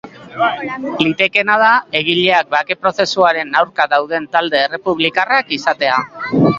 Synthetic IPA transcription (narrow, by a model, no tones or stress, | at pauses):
lit̪e̞ke̞nað̞ae̞ɣ̞iʎe̞ak̚bake̞pɾo̞se̞suaɾe̞nawɾkaðawðe̞nt̪ald̪e̞ːre̞puβ̞likarakisat̪e̞a